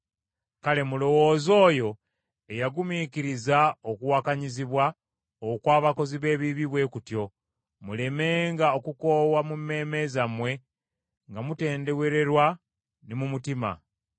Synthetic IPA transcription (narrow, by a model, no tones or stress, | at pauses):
kale̞mulo̞wo̞ːzo̞ːjo̞ | e̞jaɡumiːkiɾizaokuwakaɲiziβwa | okwaːβako̞ziβe̞ːβiβiβwe̞ːkutjo̞ | mule̞me̞ːŋɡaokuko̞ːwamumːe̞ːme̞zamwe̞ | ŋɡamute̞ːnde̞we̞ɾe̞ɾwa | nimumutima̰